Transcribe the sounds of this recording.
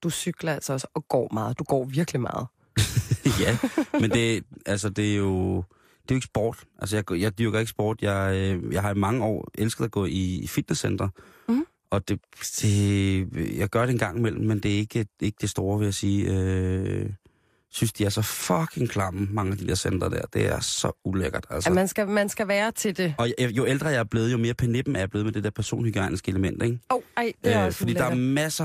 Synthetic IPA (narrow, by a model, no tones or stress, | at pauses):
d̥usyɡ̥lɐælsɐɒsɒ̽ɡ̥ɒ̰ːmɑ̈ːð̩ˠd̥uɡ̥ɒ̰ːʋiɐɡ̥limɑ̈ːð̩ˠ | jæmend̥e̝ælsɒd̥e̝æjo̝ | d̥e̝joe̝ɡ̥ə̥sb̥ɒ̰ːd̥ʔæls̬əjɑ̈ɪɡjɑ̈ɪd̥yɐɡ̥ɐeɡəsb̥ɒ̰ːd̥jɑɪjɑ̈ɪhɑ̈imɑ̈ŋəɒ̰ːelsɡ̥ð̩ˠæɡ̥ɔ̰̽ːiːfid̥nesend̥ʁɐ | ʔɒ̽d̥e̝d̥e̝ | jɑ̈ɪɡ̥ɶɐɾ̥eenɡ̥ɑ̈ŋ̰imel̰m̩ːend̥e̝æɐe̝ɡ̥əe̝ɡ̥əd̥e̝sd̥o̝ːɐʋe̝jasiːø | synsd̥iæɐsɒ̽fɒkʰeŋkʰlɑ̈mm̩mɑ̈ŋəæd̥id̥e̝ɐ̰send̥ʁɐd̥æ̰ɐd̥e̝æ̰ɐsɒ̽uleɡ̥ɐd̥ælsənsɡ̥æmænsɡ̥æʋæːɐt͡sʰe̝d̥e̝ɒ̽jjo̝eld̥ʁɐjɑɐb̥le̝ːð̞̩ˠjo̝me̝ːɐpʰæneɐb̥m̩æɐjɑb̥e̝ːð̞̩med̥e̝d̥eɐpʰæɐso̝̰ːnliɡ̥iɑ̈ɪnisɡ̥əeləmen̰d̥eɡ̥oøfɒ̽d̥ḭːdɑ̈æɐmæsɐ